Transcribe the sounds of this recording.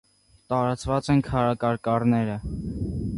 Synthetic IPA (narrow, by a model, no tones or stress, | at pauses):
t̪ɑɾɑt͡svɑt͡sɛnkʰɑɾɑkɑɾkɑɾnɛɾə